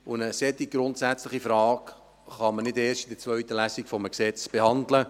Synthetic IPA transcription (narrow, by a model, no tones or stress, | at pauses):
ʊnəsɛtiɡɾʊntsæt͡slɪχifɾɑːk | χɑmənɪdeːʃtidət͡svœʏtəlæsikfɔməksɛt͡sb̥ehɑndlə